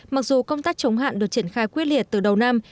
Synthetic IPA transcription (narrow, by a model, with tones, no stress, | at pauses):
ma˨˩k̚zu˨˩kə˧wŋ͡mt̪aː˦˥k̚t͡ɕə˨˦wŋ͡mɦa̰ː˧˨nɗɨ˨˩k̚t͡ɕi˧˩ənxaː˧jkwət̚li˨˩ət̚t̪ɨ˨˩ɗə˨˩wna˧m